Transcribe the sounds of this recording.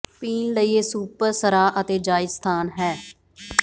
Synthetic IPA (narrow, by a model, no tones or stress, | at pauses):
piːnləiːeːsuːpəɾsəɾaːʔət̪eːd͡ʒaːɪst̪ʰaːnɦɛː